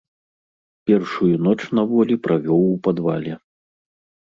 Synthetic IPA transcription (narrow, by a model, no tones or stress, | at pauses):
pʲɛrʂujunɔt͡ʂnɐvɔlʲipɾavʲɔwupad̪va̰lʲɛ